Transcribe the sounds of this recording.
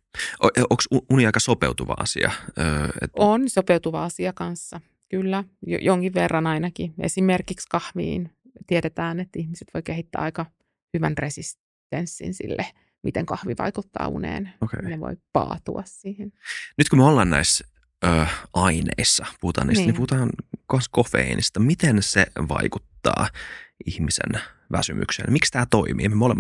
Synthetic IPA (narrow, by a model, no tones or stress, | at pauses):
ʔoʔoksuuniɑikɑsopeut̪uʋɑ̰ɑ̰sḭɑ̰øḛt̪onsopeut̪uʋɑɑsiɑkɑnsːɑ | kylːæjo̰joŋkiʋʋerːɑnɑinɑkiḛsimerkikskɑhʋḭːn | t̪ieɾet̪æːnet̪ːihmise̥t̪ʋojkehit̪ːæ̰ːɑikɑ | hyʋænresis | t̪ensːḭnsḭlːe | mʔit̪eŋkɑhʋiʋɑ̰ikut̪ːɑ̰ːṵnḛːnokḛneʋo̰jpɑ̰ːt̪uɑssiːhennyt̪kumeolːɑːnnæ̰is | əːʔɑinḛisːɑpuhut̪ɑ̰ːniːsːnimpuhut̪ɑːnkɑnskofḛinʔist̪ɑmit̪enseʋɑ̰ikut̪ːɑ̰ːihmisḛn | ʋæsymʔy̰ksḛːnmikst̪æːt̪oimḭːmemolemːɑ